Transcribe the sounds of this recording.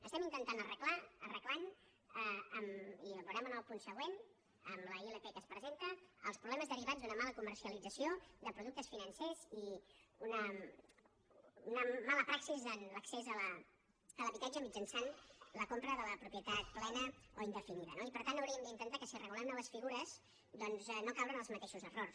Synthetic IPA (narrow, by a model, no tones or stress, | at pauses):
ə̰st̪ɛmint̪ənt̪anərəklaərəklan | əəmiβuɾɛmənalˠpunsəɣ̞wen | əmləiləpeɛkəspɾəzent̪əə̰lˠspɾuβlɛməzðəɾiβad͡zzd̪unəmaləkumərsiəlid͡zəsiod̪əpɾuðuk̚t̪əsfinənseziunə | unəmaləpɾaksizənləksezələ | ələβit̪ad͡ʒəmid͡ʒənsanləkompɾəðələpɾupjət̪at̪̚plɛnəoind̪əfiniðənoipəɾt̪anɐwɾiəmnd̪int̪ənt̪akəsirəɣulamnɔβ̞əsfiɣuɾəz | d̪ɔnzɛnokawɾənəlˠzmət̪eʃuzərors